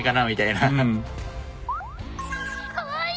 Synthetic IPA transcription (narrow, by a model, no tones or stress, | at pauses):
kanaːwit͡ɕajna